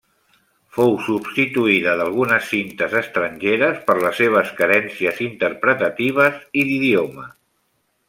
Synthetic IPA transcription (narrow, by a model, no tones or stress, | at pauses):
fowsubst̪it̪uiðəðəlˠɣ̞unəsːint̪əzəst̪ɾəɲʲʒeɾəspəɾləsːeβ̞əskəɾɛnsiəzint̪əɾpɾət̪ət̪iβ̞əziðiðiomə